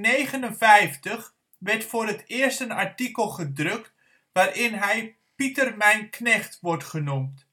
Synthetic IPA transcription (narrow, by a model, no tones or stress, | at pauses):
neːχənənfɛjftəχ | ʋɛrtfʊːɾətɪːərstənaɹtikəlˠχədrøkt | ʋaːɾɪnɦɛj | pitərmɛjnknɛχtʋɔrtχənumt